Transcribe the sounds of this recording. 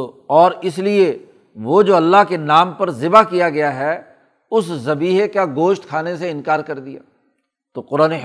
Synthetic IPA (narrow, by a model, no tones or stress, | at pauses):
ɔːɾɪslie | ʋod͡ʒoːɐlːaɦkenaːmpɐɾzɪbakijaɡɐjaɦɛ | ʊszɐbiːɦekaɡoːʃt̪̚kʰaːneseɪ̃nkaːɾkɐɾd̪ija̰ː | t̪oːqʊɾaːne